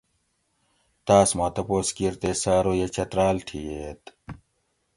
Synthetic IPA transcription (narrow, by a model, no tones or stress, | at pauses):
t̪aːsmãːt̪ɐpoːskiɾt̪eːsaːɾoːjet͡ɕɐt̪ɾaːlʈʰiːet̪